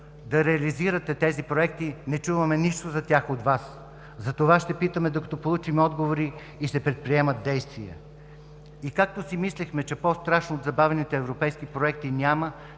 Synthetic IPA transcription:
d̪ɐɾɛɐliziɾət̪ɛt̪ɛzipɾoɛk̚t̪inɛt͡ʃuvəmɛniʃt̪ozɐt̪ʲaxot̪vas | zɐt̪ovaʃt̪ɛpit̪əmɛd̪okɐ̥t̪opolˠut͡ʃimɛɔd̪ɡovoɾiː | sɛpɾɛt̪̚pɾiɛmət̪̚d̪ɛjst̪viə̰ | ikak̚t̪osimislixmɛt͡ʃɛpɔst̪ɾaʃnood̪zɐbavɛnit̪ɛːvɾopɛjskipɾoɛk̚t̪inʲamə

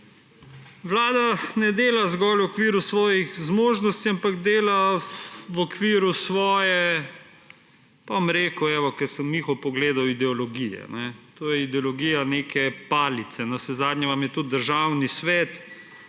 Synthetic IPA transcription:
ʋlaːd̪anɛd̪eːlazɡɔːlɔkʋiɾusʋɔːjixzmoːʒnɔst̪iampaɡd̪eːla | wɔkʋiːɾusʋɔːjɛ | pamɾeːkuɛʋɔkɛɾsəmːixɔpɔɡleːd̪awid̪ɛɔlɔɡijɛ̰nɛt̪oːjɛid̪ɛɔlɔɡiːjaneːkɛpaːlit̪sɛnɔsɛzaːd̪ɲʲɛʋamjɛt̪ut̪̚d̪əɾʒaːwnisʋɛːt̪

